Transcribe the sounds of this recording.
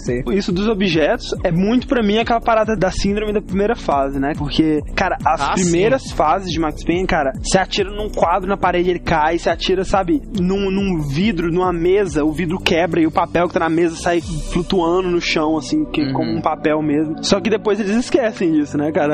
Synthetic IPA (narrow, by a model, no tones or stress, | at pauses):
siisʊd̪ʊzobiʒɛt̪ʊ̥sɛmũj̃t̪ʊ̥pɾɐmĩɐkɛlɐpaɾad̪ɐd̪ɐsĩnd̪ɾõmɪd̪ɐpɾimejɾɐfazɪnɛpoɾkʰekaɾɐɐsapɾimejɾɐsfazɪzd͡ʒɪmakspẽj̃ɛkaɾɐsɪat͡ʃiɾɐnũkwad̪ɾʊnɐpaɾed͡ʒɪelɪkajsɪat͡ʃiɾɐsabɪnũnũvid̪ɾʊnũmɐmezɐʊvid̪ɾʊkɛbɾɐɪʊpapɛwkɪt̪anamezɐsajflut̪uɐ̃d̪ʊnʊʃɐ̃w̃ɐsĩkekõmʊũpapɛwmezmʊsɔkɪd̪epojzelɪzɪskɛsẽj̃d͡ʒisʊnɛkaɾɐ